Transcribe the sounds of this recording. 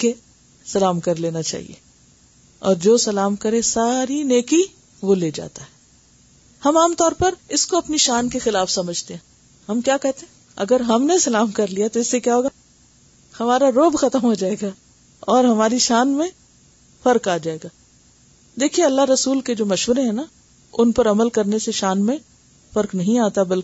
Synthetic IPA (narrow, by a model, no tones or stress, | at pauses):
ke | sɐlaːmkɐɾleːnat͡ʃa̰ːɦḭḛː | ɔ̰ːɾd͡ʒoːsɐlaːmkɐɾesaːɾineːki | ʋoleːd͡ʒa̰ːt̪aɦɛː | hɐmaːmt̪ɔːɾpɐɾɪskoɐpniʃaːnkexɪlaːfsɐməd͡ʒʱt̪eɦɛ̃ | ɦɐmkjaːkɛɦt̪ẽɦɛ̃ | ɐ̰ɡəɾɦɐmnesɐlaːmkɐɾlijat̪oɪsːekjaːɦoːɡaː | hɐmaːɾaɾoːbxɐt̪əmɦod͡ʒaːeːɡaː | ɔːɾɦɐmaːɾiʃaːnmẽ | fɐɾkaːd͡ʒaːeːɡaː | d̪eːkʰieɐlːaɦɾɐsuːlked͡ʒoːmɐʃʋəɾeɦɛ̃ːna | ʊnpɐɾɐməlkɐɾneseʃaːnmẽ | fɐɾknɐɦĩaːt̪abɐlke